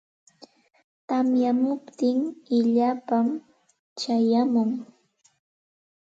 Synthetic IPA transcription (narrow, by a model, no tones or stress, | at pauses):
t̪amjamʊpt̪ɪŋɪʎapam | t͡ʃajamʊŋ